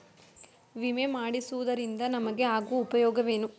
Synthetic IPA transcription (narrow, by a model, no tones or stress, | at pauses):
ʋimemaːɽisuʋud̪ɐɾind̪ɐnɐmɐɡe̞aːɡuupɐjɔːɡɐʋe̞ːnu